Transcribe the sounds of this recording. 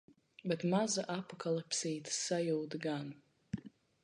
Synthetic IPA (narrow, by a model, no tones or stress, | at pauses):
bɛt̪mazaʔapɔkalˠapsiːt̪ɨ̥sajuːd̪ɡan